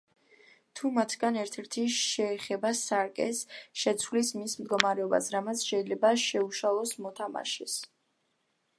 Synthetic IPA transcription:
t̪ʰumat̪ʰɡanɛɾt̪ʰɛɾt̪ʰiʃɛːχɛbasaɾkʼɛ̰sʃɛt̪sʰwlismismd̪ɡɔmaɾɛɔba̰sɾamat̪sʰʃɛilɛbaʃɛuʃalˠɔsmɔt̪ʰama̰ʃɛs

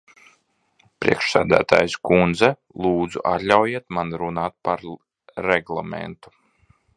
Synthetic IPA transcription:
pɾḭɛkʃsæ̰ːd̪æ̰ːt̪a̰ːjskund̪zɛ | lˠuːd̪zṵʔa̰t̪lʲawjiɛt̪manɾunaːt̪̚paɾ | ɾɛɡlˠamḛnt̪u̥

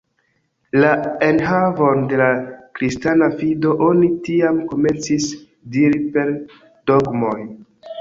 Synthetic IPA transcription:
lae̞nɦavo̞nde̞lakɾistanafido̞ʔo̞nitiamko̞me̞nt͡sis | diɾipe̞ɾ | d̥oɡmo̞j

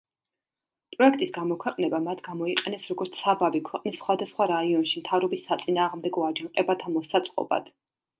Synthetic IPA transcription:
pʼɾɔɛkʰt̪ʼisɡamɔkʰwɛqʼnɛbamat̪ʰɡ̥amɔiqʼɛnɛsɾɔɡɔɾt̪sʰabavikʰwɛqʼnisːχwad̪asχwaɾaiɔnʃimt̪ʰavɾɔbisːat̪sʼinaːʁmd̪ɛɡɔaɾd͡ʒaŋqʼɛbat̪ʰamɔsat̪sʼqʼɔ̰ba̰d̪̥

